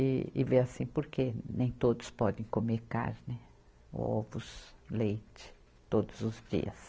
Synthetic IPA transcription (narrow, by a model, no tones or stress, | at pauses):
ɪɪveasĩpoɾkenẽj̃t̪od̪ʊspɔd̪ẽj̃komeɾka̰ɾnɪ | ɔ̰vʊslejt͡ʃɪ̥ | t̪od̪ʊzʊzd͡ʒḭɐ̰s